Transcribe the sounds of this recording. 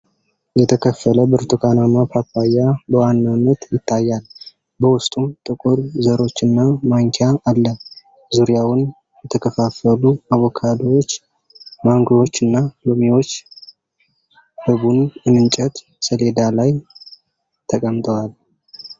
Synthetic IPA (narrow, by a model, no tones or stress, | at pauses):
jɛt̪ʰəkʰəfːələbɨɾt̪ʰʼukʰanamapapːajabəwanːanːət̪jɪt̪ʰːajːal | bəwʊst̪ʼumt̪ʼɨkʼʊɾzəɾo̞t͡ʃːɨnːamaŋkʰeaʔːlːə | zuɾjawʊn | jɛt̪ʰəkʰəfafəluaβokʰad̪owo̞t͡ʃː | maŋɡwo̞t͡ʃːɨnːalomiwo̞t͡ʃː | hɨbunɨnɨnt͡ʃʼət̪ | səle̞d̪alaj | t̪ʰəkʼəmt̪ʼʰəwal